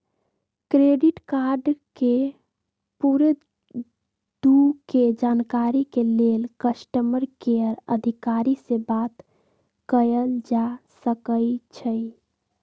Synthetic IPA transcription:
kɾeɖiʈkaɾɖke | puɾe | d̪uked͡ʒankaɾikelelkəsʈəməɾkeəɾəd̪ʱikaɾisebat̪ | kəjəld͡ʒasəkəjt͡ʃʰəj

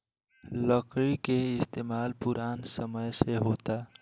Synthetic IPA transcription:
ləkɾikeɪst̪eːmaːlpʊɾaːnsəməjseɦoːt̪a

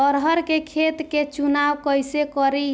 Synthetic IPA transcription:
əɾɦəɾkekʰet̪ket͡ʃunawkəjsekəɾi

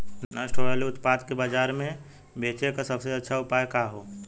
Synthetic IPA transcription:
nnasʈʰoːɽaliʊt̪paːd̪kebad͡ʒaːɾmẽ | beːt͡ʃekasɐbseɐtːʃʰaʊpaːekaːɦoː

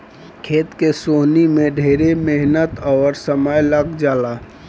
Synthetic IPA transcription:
kʰeːt̪kesoɦnimẽɖʱeːɾemeɦnət̪ɔːɾsəməjləɡd͡ʒaːla

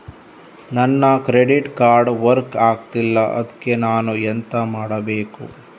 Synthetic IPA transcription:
nɐnːɐkɾeɖiʈkaːɾɖʋɐɾkaːɡ̚t̪ilːɐʔɐ̰d̪ɐkːenaːnuent̪ɐmaːɽɐbeːkṵ

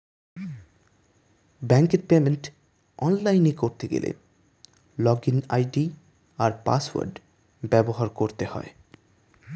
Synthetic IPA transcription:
bɛŋkeɾpemenʈ | ɔnlajnekoɾt̪eɡḛlʔḛ | lɔɡina̰jɖi | aɾpa̰swa̰ɾɖ | bɛboɦaɾkoɾt̪ehɔ̰e

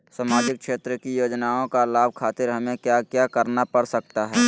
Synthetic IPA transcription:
saːmaːd͡ʒɪk̚kʃeːt̪ɾəkijoːd͡ʒnaːõkalaːb̚ʱkʰaːt̪ɪɾɦɐmẽkjakjaːkəɾnapəɽsək̚t̪aɦɛː

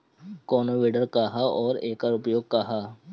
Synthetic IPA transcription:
kɔːnoʋeːɖəɾkaɦaɔːɾeːkaːɾʊpjoːɡ̚kaɦaː

